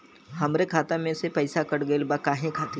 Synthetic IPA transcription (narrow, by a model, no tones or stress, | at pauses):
hɐmɾekʰaːt̪amẽsepɐɪsakəɽɡəelbakaːɦẽkʰaːt̪i